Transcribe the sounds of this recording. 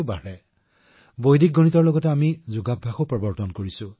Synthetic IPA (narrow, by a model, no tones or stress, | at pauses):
baɹɛ | bojdik̚ɡonitɔɹlɔɡɔtɛamizʊɡabʱːaxopɹɔbɔɹtɔnkoɹisʊ